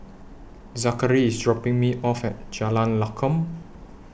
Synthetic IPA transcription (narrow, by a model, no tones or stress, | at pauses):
zakəɹiːsdɹɔpɪ̃ŋmiʔɔfɛt̚d͡ʒalãnlakʰə̃m